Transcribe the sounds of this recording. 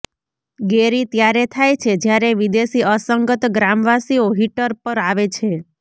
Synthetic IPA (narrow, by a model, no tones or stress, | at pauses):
ɡeɾit̪jaɾet̪ʰajt͡ʃʰed͡ʒjaɾeʋid̪esiʔəsəŋɡət̪ɡɾamʋasioɦiʈəɾpəɾaʋet͡ʃʰe